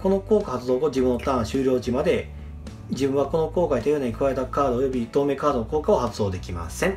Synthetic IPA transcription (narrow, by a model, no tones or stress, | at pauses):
ko̞no̞ko̞ːkahat͡sɨzo̞ːɡod͡ʑibɯ̟nːot̪ãɰ̃ɕɨːɾʲoːd͡ʑimad̪e̞ | d͡ʑibɯ̟̃ɰ̃βako̞no̞ko̞ːkait̪eɯnaɲ̟ikɯ̟βae̞t̪akaːd̪oːjo̞bʲit̪o̞ːme̞kaːd̪o̞noko̞ːkao̞hat͡sɨzoːd̪e̞kʲima̰sẽ̞ŋ